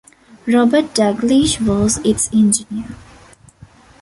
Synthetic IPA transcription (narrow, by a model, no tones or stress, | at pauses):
ɾɔbəɾʈ̚ɖæɡliʃʋɔːzɪʈsɛ̃nd͡ʒɪniəɾ